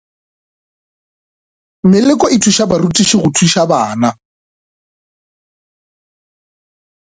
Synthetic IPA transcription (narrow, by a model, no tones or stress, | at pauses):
mɪlɪkʼɔʔɪtʰuʃabarutʼiʃɪɣʊtʰiʃabaːna